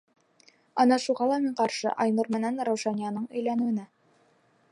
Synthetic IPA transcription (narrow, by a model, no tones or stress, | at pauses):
ɑnɑʃuʁɑlˠɑmiɴqɑɾʃɤ̰ʔɑjnuɾmɘ̆nænɾæwʃɑnijɑnɤɴɵ̆jlænɘ̆wɘ̆næ